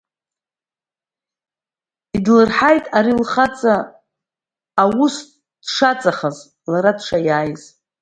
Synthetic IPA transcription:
idlɨrħajtʼaɾilχat͡sʼa | wus | d̥ʂat͡sʼaχaz | laɾadʂʰajaːjz̥

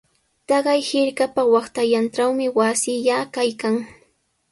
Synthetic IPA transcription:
t̪ɑɢɑjhɪɾkapawɑχt̪ajanʈ͡ʂawmɪwasɪʎakajkaŋ

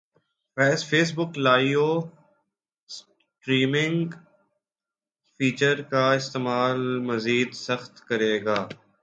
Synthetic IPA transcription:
fɛːsfeːs̬bʊklaːioː | s | ʈɾiːmɪ̃ŋɡ | fiːt͡ʃəɾkaɪst̪eːmaːlmɐziːd̪sɐxt̪kɐɾeːɡaː

